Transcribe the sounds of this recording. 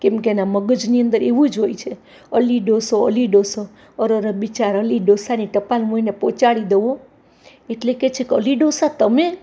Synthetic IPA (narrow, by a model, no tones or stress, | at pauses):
kemkeenaməɡəd͡ʒniənd̪əɾeʋũd͡ʒɦojt͡ʃʰe | əliɖosoə̰liɖoso | əɾəɾəbit͡ʃaɾəliɖosaniʈəpalmoinepot͡ʃaɽid̪eʋo | eʈleket͡ʃʰekeə̰liɖosat̪əme